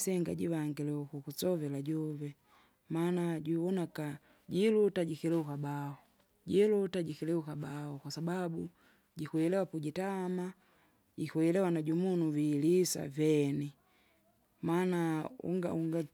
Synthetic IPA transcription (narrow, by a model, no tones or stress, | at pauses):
sɛŋɡa̰ɟiwaŋɡilɛukukusɔvɛlaɟɔvɛ | manaɟuwɔnaka | ɟilutaɟikilɛukabaɔ | ɟilutaɟikilɛukabaɔkwasababu | ɟikwɛlɛwapuɟitama | ɟikwɛlɛwanaɟumunuvilisa̰vɛni | manaṵŋɡa̰uŋɡa